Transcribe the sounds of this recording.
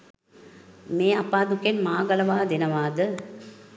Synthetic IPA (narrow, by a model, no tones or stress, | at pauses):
meːapaːd̪ukenmaːɡɐlɐʋaːd̪enɐʋaːd̪ə